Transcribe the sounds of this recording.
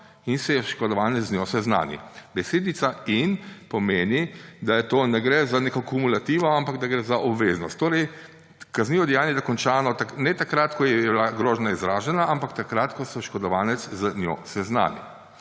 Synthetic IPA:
insɛjɛʃkɔd̪ɔʋaːnɛt̪znʲjɔsɛzna̰ːnḭbɛseːd̪it̪sainpɔmeːnid̪ajɛt̪oːnɛɡɾɛzaneːkɔkumulat̪iːʋɔampaɡd̪aɡɾɛːzaʔɔbʋeːznɔst̪ːoːɾɛj | kazniːʋɔd̪ɛjaːnjɛd̪akɔnt͡ʃaːnɔt̪anɛt̪akɾat̪kɔjɛbilaɡɾɔːʒnaizɾaːʒɛnaʔampakt̪akɾat̪kɔsɔʃkɔd̪ɔʋaːnɛt̪szanjɔ̰sɛzna̰ːnḭ

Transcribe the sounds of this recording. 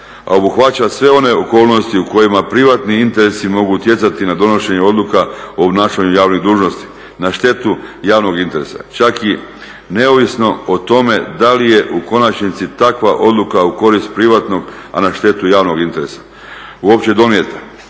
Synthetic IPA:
a̰o̞buxʋat͡ɕasʋe̞o̞ne̞oko̞ːlˠno̞st̪iuko̞jimapɾiʋat̪niint̪e̞ɾe̞simo̞ɡut̪je̞t̪sat̪inad̪o̞no̞ʃe̞ɲeo̞d̪lˠukaoobnaːʃaɲujaːʋniɣd̪uːʒno̞st̪i̥ | naʃt̪e̞t̪ujaːʋno̞ɡint̪e̞ɾe̞sa̰t͡ʃaki | ne̞oʋisno̞ot̪o̞me̞d̪alije̞ʔuko̞nat͡ʃnit̪sit̪akʋaʔo̞d̪lˠukauko̞ɾist̪̚pɾiʋat̪no̞ɡa̰naʃt̪e̞t̪ujaːʋno̞ɡint̪e̞ɾe̞sḁ | uo̞pt͡ɕe̞d̪o̞mijet̪a

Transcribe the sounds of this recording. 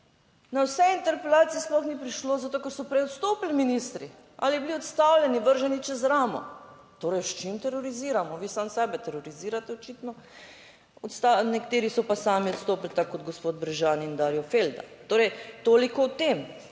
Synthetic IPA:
nawsɛint̪ɛɾpɛlaːt̪siɛsplɔxnipɾiʃloːzat̪oːkɛɾsɔpɾɛjot̪st̪oːpilminist̪ɾi | alibliɔt̪st̪awlʲjɛniʋəɾʒɛnit͡ʃɛzɾaːmɔ̰ | t̪oːɾɛjʃt͡ʃimt̪ɛɾoɾiziːɾamɔʋiːsaːmsɛːbɛt̪ɛɾoɾiziːɾat̪ɛɔt͡ʃiːt̪nɔ | ɔt̪st̪anɛkt̪eːɾisɔpasaːmiot̪st̪oːplt̪akːɔd̪ɡospod̪̚bɾɛʒaːniːnd̪aːɾjɔfeld̪a̰t̪oːɾɛjt̪oːlikɔwt̪eːm

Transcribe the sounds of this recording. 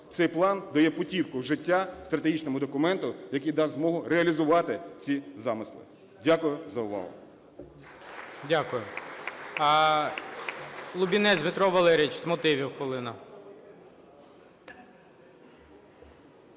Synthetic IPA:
t̪sɛjplˠɑnd̪ɐjɛpɔtʲiwkʊʒɪtʲːast̪ɾɐt̪eɦit͡ʃnɔmʊd̪ɔkʊmɛnt̪ʊjɐkijd̪ɑzmɔɦʊreɐlʲizʊʋɑt̪ɪt͡sʲizɑmɪslˠɪ̰ | dʲakʊjʊzɐʊʋɑ̰ɦʊ̰ | dʲakʊjʊ | lˠʊbʲinɛzʲmɪt̪ɾɔʋɐlˠɛɾʲijit͡ʃzmɔt̪ɪʋʲiwxʋɔlˠɪnɐ

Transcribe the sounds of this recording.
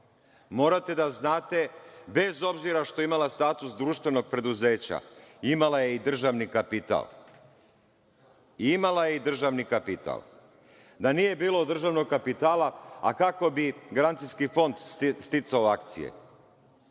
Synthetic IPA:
mo̞ːɾat̪e̞d̪aznaːt̪e̞be̞zo̞bziɾaʃt̪oeimalast̪aːt̪usd̪ɾuːʃt̪ʋe̞no̞ɡ̚pɾe̞d̪uze̞ːt͡ɕa̰imalajeid̪r̩ʒaʋnikapit̪a̰l | iimalaje̞id̪r̩ʒaʋnikapit̪ʰa̰lˠ | d̪anije̞biːlo̞d̪r̩ʒaʋno̞ɡ̚kapit̪aːlaa̰kako̞biɡaɾant̪sijskifo̞nd̪st̪it̪saoakt̪sḭjḛ

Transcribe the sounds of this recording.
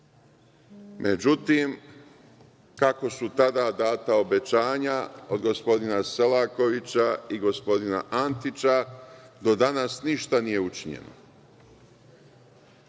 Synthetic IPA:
mʔed͡ʑut̪im | kako̞sut̪ad̪aːd̪aːt̪ao̞be̞t͡ɕaːɲaod̪ɡo̞spo̞d̪inase̞lako̞ʋit͡ɕaiɡo̞spo̞d̪ina̰ʔant̪it͡ɕad̪o̞d̪anasniʃt̪anije̞ut͡ʃiɲe̞̰no̰

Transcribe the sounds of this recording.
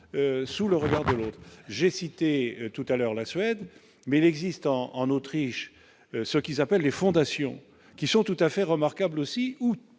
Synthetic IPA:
øsuləʁəɡaʁd̪əloːt̪χʒesit̪et̪ut̪alœʁlasɥɛd̪ | mɛilɛɡzist̪ɑ̃ːnot̪χiʃ | səkʲilzapɛlːefɔ̃d̪asjɔ̰̃ | kʲisɔ̃t̪ut̪afɛʁəmaʁkablosiu

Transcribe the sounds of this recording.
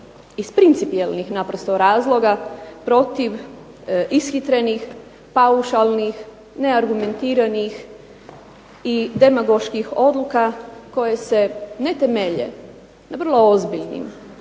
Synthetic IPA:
ispɾint̪sipielˠnixnapɾost̪o̞ɾaːzlˠo̞ɡapɾo̞t̪iʋ | isxit̪ɾe̞nix | pauʃalˠnix | ne̞aɾɡume̞nt̪iːɾanix | id̪e̞maɡo̞ʃkixo̞d̪lukako̞je̞se̞ne̞t̪emeʎḛ | naʋr̩lˠo̞ozbiʎnḭm

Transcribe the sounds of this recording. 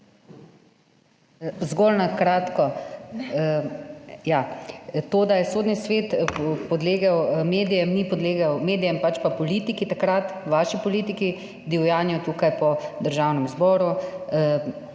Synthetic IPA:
zɡɔlnakɾaːt̪kɔ | jat̪oːd̪ajɛsod̪nisʋeːt̪pɔd̪leːɡawmeːd̪ijɛmnipɔd̪leːɡawmeːd̪ijɛmpat͡ʃpapɔliːt̪ikit̪akɾat̪ʋaːʃipɔliːt̪iki | d̪iwjaːnjɔt̪uːkajpɔd̪əɾʒaːwnɛmzbɔːɾu

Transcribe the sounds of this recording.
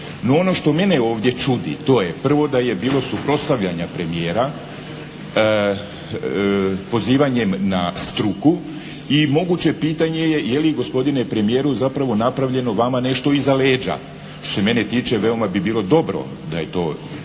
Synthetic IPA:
no̞o̞no̞ʃt̪o̞me̞neo̞ːʋd̪je̞t͡ʃud̪ḭt̪o̞ːjepr̩ʋo̞d̪aje̞biːlˠo̞supɾo̞t̪st̪aʋʎaɲapɾe̞mijeːɾa | po̞ziːʋaɲe̞mnast̪ɾuku | imo̞ɡut͡ɕe̞piːt̪aɲe̞je̞jelijɡo̞spo̞d̪inepɾe̞mijeːɾuzapɾaʋo̞napɾaʋʎe̞no̞ʋamane̞ʃt̪o̞izaleːd͡ʒa̰ | ʃt̪o̥se̞me̞net̪iːt͡ʃeʋe̞omabibiːlˠo̞d̪o̞bɾo̞̰ | d̪a̰je̞t̪o̞̰ː

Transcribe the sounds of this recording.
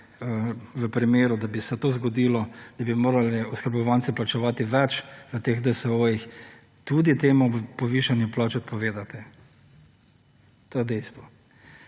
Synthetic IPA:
əʋəpɾimeːɾud̪abisɛt̪oːzɡɔd̪ilɔd̪̥abimoːɾalɛɔskəɾbɔʋant̪sɛplat͡ʃɛʋaːt̪iʋɛt͡ʃʋət̪eːɣd̪əsɛoːjix | t̪ud̪it̪eːmupɔʋiːʃanjɛplɔːt͡ʃɔt̪pɔʋeːd̪at̪ɛ | t̪oːjɛd̪ɛjst̪ʋɔ

